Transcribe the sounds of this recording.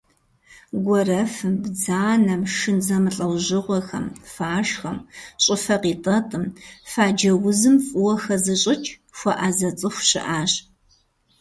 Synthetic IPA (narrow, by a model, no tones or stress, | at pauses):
ɡʷɔrɐfɨmbd͡zaːnɐmʂɨnzɐmɨɬʼɐwʑɪʁʷɔxɐ̰mfaːʃxɐmɕʼɪfɐqiːtʼɐtʼɨmfaːd͡ʒɐwʊzɨmfʼʊwɔxɐzɨɕʼɪt͡ʃʼ | xʷɐʔaːzɐt͡sʼɨxʷɕɪ̰ʔaːɕ